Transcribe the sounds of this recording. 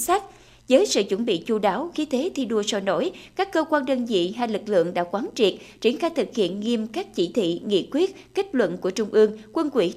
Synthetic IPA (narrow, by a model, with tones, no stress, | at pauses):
saː˦˥t̚ | zəː˨˦jsɨ̰˧˨t͡ɕwə˧˩nɓḭ˧˨t͡ɕu˧ɗaː˨˦wxi˧˦t̪ʰe˨˦t̪ʰi˧ɗu˧əsɔ˧˩no̰˧˩jkaː˦˥kːəː˧kwaː˧nɗəː˧nzḭ˧˨ɦa˧˩jlɨ˨˩k̚lɨ̰˧˨əŋɗa̰ː˧˥kwaː˨˦nt͡ɕi˨˩ət̚ | t͡ɕi˧˩ənxaː˧jt̪ʰɨ˨˩k̚hḭ˧˨ənŋi˧əmkaː˦˥k̚t͡ɕḭ˧˩t̪ʰḭ˧˨ŋḭ˧˨kwi˦˥ət̚ke˦˥k̚lwə̰˧˨nku˧˩ət͡ɕʊ˧ŋ͡mʔɨ˧əŋkwə˧nkwḭ˧˩